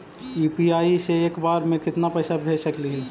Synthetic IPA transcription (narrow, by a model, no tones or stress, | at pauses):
juːpiaːiseeːkbaːɾmẽkɪt̪napɐɪsabʱeːd͡ʒsɐkliɦiː